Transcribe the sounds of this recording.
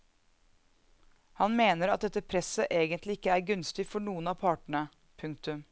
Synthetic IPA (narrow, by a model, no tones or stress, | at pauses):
hɑnmeːnəɾɑt̪̚d̪ɛt̪ːəpʰɾɛsəʔeːɡənt̪lɪɪkːəæːɾɡʉnst̪ɪfɔɳuːənɑːpʰɑːʈɳ̩ə | pʰʉŋk̚t̪ʉm